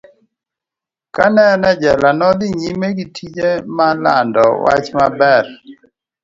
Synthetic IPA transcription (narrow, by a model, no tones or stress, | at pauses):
kanɛnɛd͡ʒɛlanɔd̪ɪɲimeɡitʰid͡ʒemala̰ndɔwa̰t͡ʃmabɛr